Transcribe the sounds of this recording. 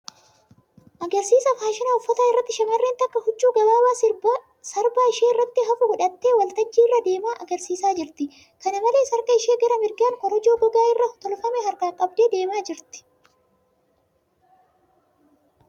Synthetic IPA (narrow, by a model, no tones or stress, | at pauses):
ʔɐɡɐɾsiːsɐfaːʃɪnɐɔfːɔt̪aːɪrːɐt̪ːɪʃɐmɐrːent̪ɐkːɐhʊt͡ʃʼːuːɡɐbaːbaːsɪb | sɐɾbaːɪʃeːɪrːɐt̪ːɪɦɐfʊɡʊᶑɐt̪ːe̞ːwɐlt̪ɐd͡ʒːiːɪrːɐd̪e̞ːmaːʔɐɡɐɾsiːsaːd͡ʒɪɾt̪ɪ | kɐnɐmɐle̞ːsɐɾkɐɪʃeːɡɐɾɐmɪɾɡaːŋkɔɾɐd͡ʒoːɡɔɡaːɪrːɐt̪ɔlfɐmɛɦɐɾɡaːkʼɐbd̪e̞ːd̪e̞ːmaːd͡ʒɪɾt̪ɪ̥